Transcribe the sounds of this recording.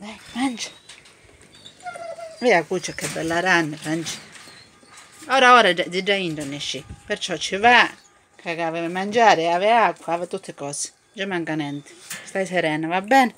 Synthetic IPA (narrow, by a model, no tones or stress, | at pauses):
d̪ajmand͡ʒḁ | veakut͡ʃːakːebɛlːaɾanːefand͡ʒḁ | oːɾaoːɾad͡z̪id͡ʒaind̪oneʃipeɾt͡ʃɔt͡ʃiva | kʰakaveemand͡ʒaːɾeaβeakʷwaavet̪ut̪ʰːekɔːse̥ | d͡ʒamaŋkanent̪e̥st̪ajseɾɛːnavabɛːne